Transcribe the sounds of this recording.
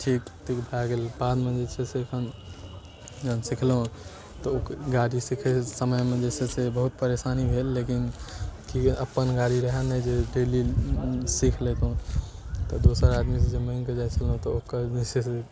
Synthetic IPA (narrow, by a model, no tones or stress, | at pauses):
ʈʰikt̪ikbʱaɡelpãd͡ʒmẽd͡ʒesʰesikʰən | nsikʰlɦũ | t̪ɔokɡaɽisikʰɛsəməjmed͡ʒesesebəɦut̪̚pəɾesanibʱelːekinkiəpːənɡaɽiɾəɦənɛd͡ʒeɖeli | sikʰlet̪ɦũt̪ɔd̪osəɾad̪mised͡ʒeməinked͡ʒajt͡ʃʰəlɦũt̪ɔokːəɾd͡ʒesʰese